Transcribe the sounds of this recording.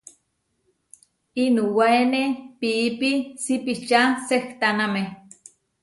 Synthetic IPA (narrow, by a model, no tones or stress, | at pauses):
inuwaenepiːpisipit͡ʃaseht̪aname